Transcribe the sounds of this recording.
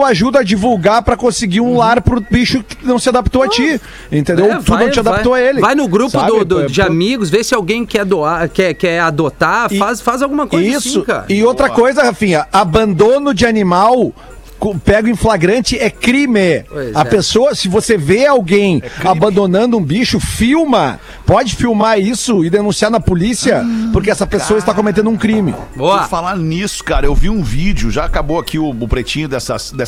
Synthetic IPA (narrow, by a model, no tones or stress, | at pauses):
waʒud̪ɐɐd͡ʒivuwɡaɾpɾɐkõsɪɡiɾũlaɾpɾʊbiʃʊkɪ̥nɐ̃w̃sɪad̪ap̚t̪oat͡ʃi | ẽnt̪ẽd̪ewt̪unɐ̃wt͡ʃɪãd̪appt̪oɐelɪvajnʊɡɾupsʊaʊd̪ʊd͡ʒɪamiɡʊsvesɪawɡẽj̃kɛd̪oaɾkɛkɛad̪ot̪afasfazawɡũmɐkozzisĩʊka̰ɾɪowt̪ɾɐkojzɐhafĩɲɐabɐ̃nd̪õnʊd͡ʒɪanimaw | kõpɛɡʊĩflaɡɾɐ̃nt͡ʃɪɛkɾimɪɐpesoɐsɪvoseveawɡẽj̃abɐ̃nd̪onɐ̃nd̪ʊũbiʃʊfiwmɐ | pɔd͡ʒɪfiwmaɾisʊɪd̪enũsiaɾnɐpolisiɐpoɾkeɛsɐpesoɐɪst̪akõmet̪ẽnd̪ʊũkɾĩmɪ̰bofalaɾnisʊ̥kaɾɐewviũvid͡ʒʊʒaːkabowakiʊːpɾet͡ʃĩɲʊd̪ɛsɐsd̪ɛs